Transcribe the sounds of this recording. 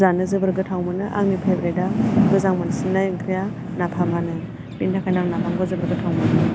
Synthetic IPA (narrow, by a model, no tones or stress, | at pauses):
zanɯzɯbɯɾɡɯtʰawmɯnɯʔa̰ŋmipʰebɾedamɯzaŋmansinːajɯŋkʰɾija | napʰamanɯ | bintʰakʰajnaŋnapʰaŋɡɔzɯbɯɾɡɯtʰawmanɯ